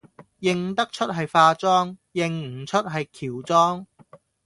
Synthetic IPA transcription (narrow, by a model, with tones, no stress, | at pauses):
jɪ˨ŋt̪ɐ˥k̚t͡ʃʰɵ˥t̚ɦɐ˨jfaː˧t͡sɔː˥ŋjɪ˨˩ŋ̩˨˩t͡ʃʰɵ˥t̚ɦɐ˨jkʰiː˨˩wt͡sɔː˥ŋ